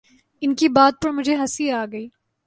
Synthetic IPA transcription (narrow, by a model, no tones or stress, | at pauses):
ɪnkibaːd̪̚pɐɾmʊd͡ʒʱeɦɐsiaːɡɐiː